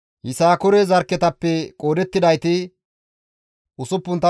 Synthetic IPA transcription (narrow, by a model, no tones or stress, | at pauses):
hɪsaːkʊɾɛzɐɾkːɛt̪ɐpːɛkʼo̞ːd̪ɛt̪ːɪd̪ɐjt̪ɪ | ʊsʊpːʊnt̪ːɐ